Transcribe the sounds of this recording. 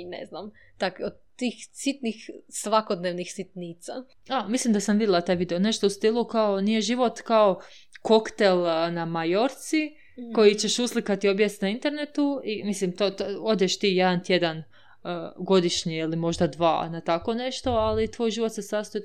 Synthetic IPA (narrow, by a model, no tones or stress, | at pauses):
nḛznam | t̪akod̪̚t̪ːiːxsit̪nixsʋakod̪neʋnixsit̪niːt̪sa | amislimd̪asamʋid̪ʲjelˠat̪aːjʋid̪eone̞ʃt̪o̞ust̪ilˠukao̞nije̞ʒiʋo̞t̪kao̞ | ko̞kt̪elˠnamajo̞ɾt̪si | ko̞jit͡ɕe̞ʃuslikat̪io̞bjest̪naint̪e̞ɾnet̪uimislimt̪ot̪o̞d̪jeʃt̪iːje̞d̪ant̪je̞d̪an | əɡo̞d̪iʃɲiilimo̞ʒd̪ad̪ʋa̰ːnat̪ako̞ne̞ʃt̪o̞alit̪ʋo̞ːjʒiːʋo̞t̪sesast̪oi